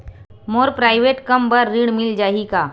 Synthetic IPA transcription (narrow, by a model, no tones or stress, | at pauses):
moːɾpɾaːɪʋeːʈkɐmbɐɾːiːɽmɪld͡ʒaːɦikaː